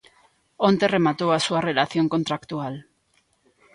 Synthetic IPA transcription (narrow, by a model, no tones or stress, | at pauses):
ont̪eremat̪owasuarelaθjo̞ŋko̞nt̪ɾakt̪ual